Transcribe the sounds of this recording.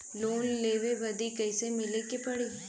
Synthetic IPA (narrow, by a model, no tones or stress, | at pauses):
loːnleʋebəd̪ʱikəjsemɪlikepəɽi